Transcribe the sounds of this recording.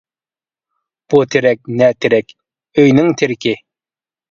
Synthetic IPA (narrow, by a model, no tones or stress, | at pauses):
b̥ut̪ʰɪɾɛk̚ʲnɛt̪ʰɪɾɛkʲ | øjnɪŋt̪ʰɪɾkʲʰɪ